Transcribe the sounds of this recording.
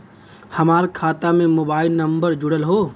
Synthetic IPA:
hɐmaːɾkʰaːt̪amẽmoːbaːɪlnɐmbəɾd͡ʒʊɽəlɦoː

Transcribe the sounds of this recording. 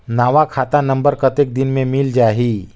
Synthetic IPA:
naːʋakʰat̪anəmbəɾkət̪ek̚d̪inmẽmild͡ʒaːɦi

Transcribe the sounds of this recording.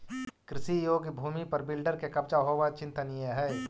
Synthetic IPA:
kɾɪsijoːɡbʱuːmipɐɾbɪlɖəɾkekɐpt͡ʃaɦoːʋat͡ʃɪ̃nt̪ənijəɦɛː

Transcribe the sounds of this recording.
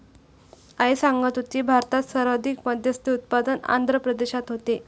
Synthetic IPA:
aesaŋɡət̪ut͡ɕ̪iːbʱaɾt̪at̪səɾʋəd̪ʱikməd̪ʱjəst̪iut̪̚pad̪əna̰nd̪ʱɾəpɾəd̪eɕat̪ɦot̪e

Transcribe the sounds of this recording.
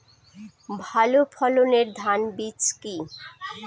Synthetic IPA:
bʱalopʰɔloneɾd̪ʱanbit͡ɕki

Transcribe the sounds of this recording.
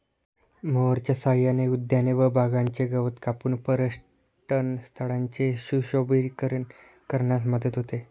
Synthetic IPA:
moʋəɾt͡ɕjasaɦjaneud̪janeʋəbʱaɡaɲt͡ɕeɡəʋət̪kapuːnpəɾəʂ | ʈənst̪ʰəɭaɲt͡ɕeɕuɕobiɾkəɾən | kəɾɳjat̪məd̪ət̪ɦot̪e

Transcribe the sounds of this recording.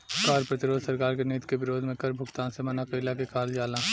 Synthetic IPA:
kaːɾpɾɐt̪ɪɾoːd̪ʱsɐɾkaːɾkeniːt̪kebɪɾoːd̪ʱmẽkɐɾbʱʊɡt̪aːnsemɐnakɐɪlakekaːld͡ʒaːlãː

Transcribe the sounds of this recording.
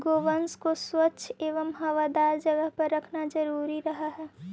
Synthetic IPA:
ɡoːʋənskoswətːʃʰeːʋəmɦɐʋad̪aːɾd͡ʒəɡəɦpəɾɾəkʰnad͡ʒəɾuːɾiɾəɦaɦɛː

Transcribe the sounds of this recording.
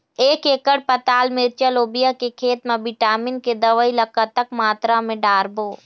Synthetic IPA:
eːkeːkəɽpət̪aːlmɪɾt͡ʃəloːbijakekʰeːt̪mẽbɪʈaːmɪnked̪əʋəiləkət̪əkmaːt̪ɾamẽɖaːɾboː

